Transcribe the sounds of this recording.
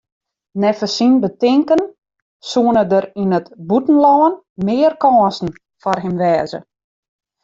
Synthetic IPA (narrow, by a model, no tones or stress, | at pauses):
nɛfəsinbətɪŋkən | suənədəɾinətbutn̩lɔːən | mɪːərkɔːnsn̩ | fɔrɦɪmʋɛːzə̰